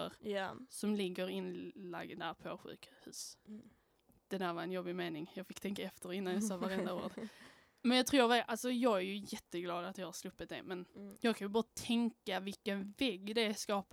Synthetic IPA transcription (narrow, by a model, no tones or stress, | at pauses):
ə̰ɾsɔmlɪɡːəɾɪnla̰ɡ̪ːd̪æɾpʰɔɧʉ̰ːkhʉ̟̰ːs | d̪̥ɛd̪æːɾvaɾɛnjɔbːɪmeːnɪŋjɑːɡfɪkːt̪ʰɛŋkaɛft̪əɾɪnːanjɑsɑːvaɾɛnd̪ao̰ːɾd̪ | mɛnjɑɡt̪ʰɾuːɾvɛʔalsɔjɑːɡæɾjɵjɛt̪ːəɡlɑːd̪at̪jɑɡhaɾslɵpːət̪̚d̪ɛ̰mɛnjɑːɡkʰanjɵbɑːɾat̪ʰɛŋkavɪlkːənvɛɡːd̪ɛskɑːp